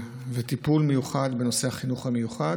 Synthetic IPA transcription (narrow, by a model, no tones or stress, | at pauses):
vet̪ipulmejuχad̪be̞no̞sehaχinuχhamejuχad